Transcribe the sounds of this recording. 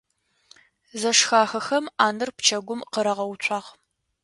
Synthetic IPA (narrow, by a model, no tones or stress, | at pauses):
zɐʂxaːxɐxɐmaːnɨrpt͡ʃʰɐɡʷʊmqəɾɐʁɐwt͡ʃʷʰʼɑːʁ